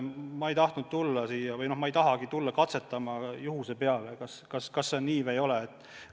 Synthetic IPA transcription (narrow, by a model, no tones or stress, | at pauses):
mɑe̞jt̪ɑht̪nud̪̥̚t̪ulːɑsijɑvɯjno̞hmɑejt̪ɑɦɑɡit̪ulːɑkɑt̪se̞t̪ːˑɑmɑjuhusepe̞ɑlekɑskɑskɑsːenniːvejo̞leːt̪ːˑ